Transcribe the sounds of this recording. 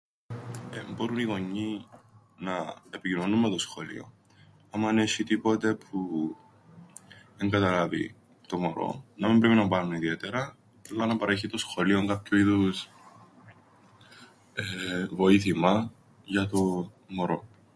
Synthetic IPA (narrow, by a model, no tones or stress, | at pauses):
ebo̞ɾuniɣo̞ɲːi | nɐepicinonumːet̪o̞sxo̞lḭo̞̰ | ɐmɐneçit̪ipo̞t̪e̞pʰu | eŋɡɐt̪ɐlɐvḭ | t̪o̞moɾo̞̰nɐmimbɾe̞pinɐpɐɾnuniðie̞t̪eɾɐ | ɐlːɐnɐpɐɾe̞çit̪o̞sxo̞lio̞ŋɡɐpçuiðus | evo̞iθimɐ | ʝɐt̪o | moɾo̞̰